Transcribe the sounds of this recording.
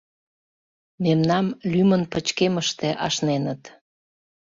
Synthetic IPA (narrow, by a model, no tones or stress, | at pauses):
memnɑmlymənpət͡ɕkeməʃt̪eʔɑʃnenət̪